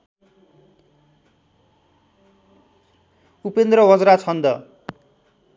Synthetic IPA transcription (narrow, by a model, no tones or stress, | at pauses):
upend̪rʌwʌd͡zɾat͡sʰʌnd̪ʌ